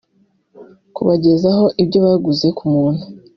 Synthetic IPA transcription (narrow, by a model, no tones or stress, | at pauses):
kuβaɟe̞zaɦo̞ʔibɟo̞βaɡuze̞kumuːn̥hu